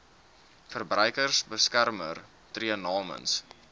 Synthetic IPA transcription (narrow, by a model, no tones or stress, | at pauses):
fərbrœɥkərsbəskærmər | triənɑːmə̰ns